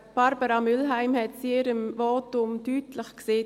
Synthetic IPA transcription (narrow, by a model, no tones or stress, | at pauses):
b̥aɾbəɾamʏlɦæɪmhɛtt͡sɪɾəmvɔːtʊmtyːtləχkseː